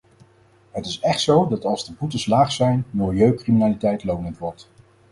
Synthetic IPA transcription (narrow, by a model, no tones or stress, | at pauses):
ɦətɪsɛχtsowdɑtɑlˠzdəbutəslaːχsɛjnmɪlˠjøɥkriminaːlitɛjtlownəntʋɔɹt